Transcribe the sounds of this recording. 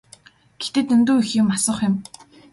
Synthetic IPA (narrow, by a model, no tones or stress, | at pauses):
ɡ̥e̥t̪ĕt̪ɵnt̪uːixiːkmasə̆χʊm